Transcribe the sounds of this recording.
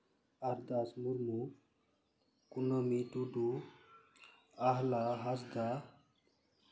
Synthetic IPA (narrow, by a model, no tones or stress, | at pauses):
aɾd̪asmuɾmu | kunomiɖuɖu | aɦlaɦasd̪a